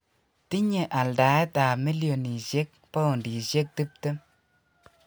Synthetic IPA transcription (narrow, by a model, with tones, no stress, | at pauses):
ti˦ɲe˨ʔa˨lda˨ɛ˦ta˨mi˦ljo˨ni˨ʃe˦k̚ | pa˦o˨ndi˨ʃe˦k̚ti˦p̚te˦m